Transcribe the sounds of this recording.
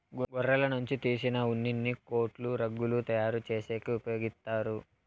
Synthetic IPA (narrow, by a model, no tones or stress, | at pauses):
ɡɡɔrːɐlɐnuɲt͡ʃit̪iːsinɐunːinːiko̞ːʈluɾɐɡːulut̪ɐjaːɾut͡ʃe̞ːseːkiupɐjo̞ːɡist̪aːɾu